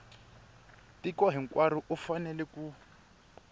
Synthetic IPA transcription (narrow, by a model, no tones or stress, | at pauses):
tikɔɦiŋ̩kwaɾiʔufanɛlɛku